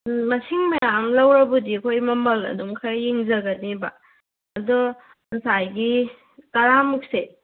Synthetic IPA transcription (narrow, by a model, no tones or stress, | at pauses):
mɐsiŋmɐjamlɐwɾɐbudiɐkʰojmɐmɐlɐ̰dumkʰajiŋzɐɡɐniba̰ | ɐdɔ | ɐsajɡi | kɐɾamuk̚se